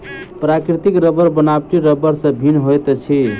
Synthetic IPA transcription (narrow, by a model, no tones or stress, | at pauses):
pɾakɾit̪ikɾəbəɾbənabʈiɾəbəɾsə̃bʱinɦojt̪t͡ʃʰi